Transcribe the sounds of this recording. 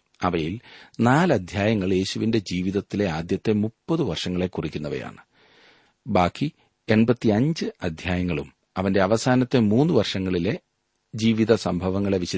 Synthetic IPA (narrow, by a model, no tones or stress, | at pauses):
ɐʋɐjilnaːlɐd̪ʱjaːjɐŋːɐɭje̞ːɕuʋinde̞d͡ʑiːʋiðɐt̪ːile̞aːd̪jɐt̪ːe̞mupːɐðɨʋɐrʂɐŋːɐɭe̞kːurikʲːunːɐʋɐ̰ja̰ːɳɨ | baːkːi | e̞nbɐt̪ːiɐɲd͡ʑɨɐd̪ʱjaːjɐŋːɐɭum | ɐʋɐnde̞ɐʋɐsaːnɐt̪ːe̞muːnːuʋɐrʂɐŋːɐɭile̞ | d͡ʑiːʋiðɐsɐmbʱɐʋɐŋːɐɭe̞ʋiɕɐ